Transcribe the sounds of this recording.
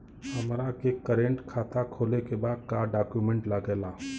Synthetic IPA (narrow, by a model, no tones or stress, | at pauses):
həmɾakekəɾẽɳʈkʰaːt̪akʰoːlekebaːd̪̚kaɖaːkjumẽɳʈlaɡela